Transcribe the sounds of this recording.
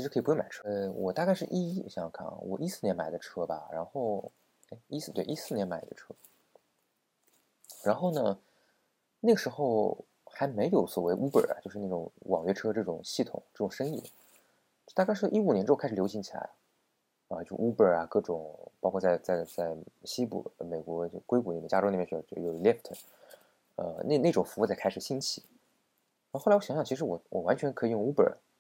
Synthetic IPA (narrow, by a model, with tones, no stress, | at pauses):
t͡ɕʰi˧˥ɻ̩ʰ˧˥ɤ˧˥i˨˩pma˨˩ʈ͡ʂʰɤ˥wɔ˨˩t̪a˥˧ka˥˧ɪʂɻ̩˥˧ʔi˥˩ɕɑ˥˧ŋkʰa̰˥˩n̰wɔ̰˨˩ʔi˥sɹ̩˥˩njnma̰˨˩ɪd̪ə˦ʈ͡ʂʰɤ˥bɐ̰˨˩ɻa˧˥nxo˥˩ʊ | e˥˩ɪi˥s̩˥˧t̪we˥˩ʔi˥sɹ̩˥˩njɛ˧˥nma˨˩ɪd̪ə̰˦ʈ͡ʂʰɤ˥ | ɻa˧˥nxo˥˩ʊnə˩ | na˥˩ɡə˩ʂɻ̩˧˥xo˥˧ʊ | xa˧˥ɪme˧˥ɪjo˧˥ʊswɔ˨˩we˧˥ɪʔu˥pə̰˞˨˩˨t͡ɕo˥˧ʊʂɻ̩˥˧n˥˩ʈ͡ʂʊ̰˨˧˩ŋwɑ˨˩ŋɥɛ˥ʈ͡ʂʰɤ˥ʈ͡ʂɤ˥˩ʈ͡ʂʊ̰˨˩ŋɕi˥˩t̪ʰʊ̰˨˩˦ŋʈ͡ʂɤ˥˩ʈ͡ʂʊ˨˩ŋʂɤ˥ŋi˥˩˥ | t̪a˥˧kɪʂ̬ɻɔ˥ʔi˥u˨˩njnʈ͡ʂɻ̩˥kʰʂ̩˨˩jɕi˧˥ŋt͡ɕʰi˨la̰˧˥ɪ | ɐ˧t͡ɕjo˥˧ʂu˥pə˞˨˩ɐ˨˩kɤ˥˩ʈ͡ʂʊ˨˩˦ŋpɑ˥kʰɔ˥˧t͡sa˥˧ɪt͡sa˥˧ɪt͡sa˥˩ɪɕi˥pṵ˨˩˧me˨˩ɪkwɔ˧˥˧kwe˥ɪku˧˩li˨˩mjt͡ɕja˥o˥li˨˩ɛ˥˧˥t͡ɕjo˥˩˧lɛ˥˩ft̪ʰə˨˩ | ə̰˧n˥˧ne˥˩ʈ͡ʂʊ˨˩ŋfu˧˥u˥˧t͡sa˥˩ɪkʰa˥ɪʂɻ̩˨˩ɕi˥˩nt͡ɕʰi˥˩ | ɻxlwɔ˥˩ɕɑ˧˥ɕjɑ˥˩˧t͡ɕʰʂɻ̩˧˥wɔ˨˩wʔɔ˨˩wa˧˥nt͡ɕʰɥɛ˧˥nkʰɤ˧˥i˨˧jʊ˥˩ŋu˥pə̰˞˨˩